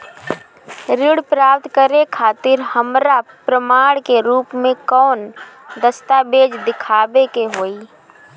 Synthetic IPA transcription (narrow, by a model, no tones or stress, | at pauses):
ɾɪɽpɾaːpt̪kəɾekʰaːt̪ɪɾhəmɾapɾəmaːɽ̃keɾuːpmẽkɔːnd̪əst̪abeːd͡ʒd̪ɪkʰaːbekeɦoːi